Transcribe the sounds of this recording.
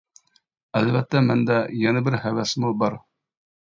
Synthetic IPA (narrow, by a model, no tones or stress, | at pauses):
ælvæt̪ːæmænd̪æjɛnɤbɘɾhæwæsmubɑɾ